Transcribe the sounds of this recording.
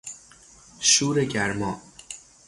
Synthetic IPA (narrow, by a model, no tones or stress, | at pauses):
ʃuːɾeɟæɾmɒː